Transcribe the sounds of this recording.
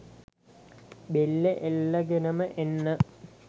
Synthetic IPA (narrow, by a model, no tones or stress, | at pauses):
belːeʔelːɐɡenɐmɨʔenːɨ